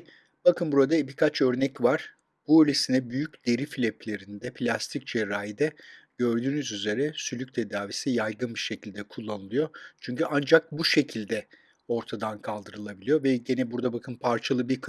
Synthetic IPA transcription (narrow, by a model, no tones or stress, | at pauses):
b̥akʰɯnbuɾad̪abikʰat͡ʃø̞ɾnɛcvaɾ̥ | b̥uølʲesinɛbyjycd̪e̞ɾifilʲɛpʰlʲe̞ɾind̪ɛpʰlʲast̪ʰic̚t͡ʃʰeɾaːjid̪ɛɟ̥ø̞ɾd̪yːnyzyze̞ɾɛsylʲyc̚t̪ʰed̪aːvisijajɡɯnbiʃecʰilʲd̪ɛkʰulˠːanɯlˠɯjo̞t͡ʃʰyɲcyʔand͡ʒak̚buʃe̞cʰilʲd̪ɛ | o̞ɾt̪ʰad̪ankʰalˠd̪ɯɾɯlˠabilʲijo̞vɛɟe̞nɛbuɾd̪abakʰɯnpʰaɾt͡ʃʰalˠɯbiɾkʰ